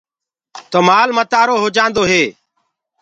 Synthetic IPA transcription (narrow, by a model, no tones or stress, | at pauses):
t̪oːmaːlmət̪aːɾoːɦoːd͡ʒãːnd̪oːɦeː